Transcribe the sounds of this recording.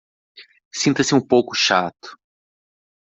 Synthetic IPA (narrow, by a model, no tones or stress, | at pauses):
sĩnt̪ɐsɪũpowkʊʃat̪ʊ̥